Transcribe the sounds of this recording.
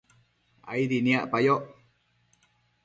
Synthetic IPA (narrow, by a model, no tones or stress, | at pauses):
a̰idiniaʔpajoʔ